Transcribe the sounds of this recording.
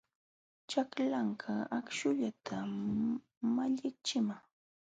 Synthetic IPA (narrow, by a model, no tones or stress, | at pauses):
t͡ʃaklaŋkʰaakʃʊʎat̪ʰa | maʎɪk̚t͡ʃɪmaŋ